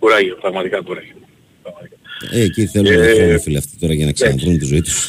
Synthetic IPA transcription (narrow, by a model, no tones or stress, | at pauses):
kuɾɐʝepɾɐɣmɐt̪ikɐkuɾɐʝe | pɾɐɣmɐt̪ikaeeciθe̞luonofileft̪i̥t̪o̞ɾɐʝɐnɐksɐnɐnðɾinunt̪izo̞it̪u̥s